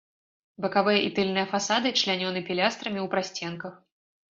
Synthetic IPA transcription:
bɐkavɨjɐʔit̪ɨlʲnɨjɐfasad̪ɨt͡ʂlʲanʲɔnɨpʲilʲast̪ɾɐmʲiuwpɾasʲt͡sʲɛnkɐx

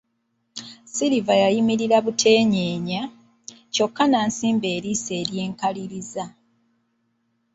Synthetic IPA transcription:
siɾivajajimiɾiɾaβutʰe̞ːɲeːɲa | co̞kːanaːnsiːmbe̞ːɾise̞ːɾje̞ːŋkaliɾiza

